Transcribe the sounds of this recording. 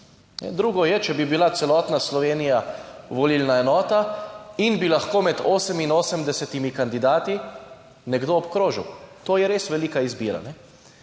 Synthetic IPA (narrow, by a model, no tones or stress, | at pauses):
nɛ̰d̪ɾuːɡɔjɛt͡ʃɛbibilat̪sɛlɔːt̪naslɔʋeːnijaʋɔliːlnaɛnɔːt̪ainbilaxkoːmɛd̪oːsəminoːsəmd̪ɛsɛt̪imikand̪id̪aːt̪i | nɛɡd̪oːpkɾoːʒḭwt̪oːjɛɾeːsʋɛliːkaizbiːɾa̰nɛ